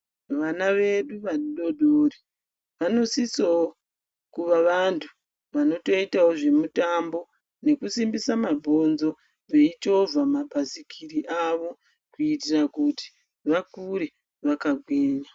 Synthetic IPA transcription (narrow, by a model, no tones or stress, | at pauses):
ʋanaʋe̞ɗuʋaɗoɗʱoɾi | ʋano̞sisoo | kuʋaʋantʰu̥ | ʋano̞to̞itawoʐe̞mutambo̞ | ne̞kusimbisamabʱo̞nzo̞ | ʋe̞it͡ʃo̞vʱamabʱasikʰiɾiʔaʋo̞ | kuitirakuti̥ | ʋakuɾe | ʋakaɡʱwiːɲa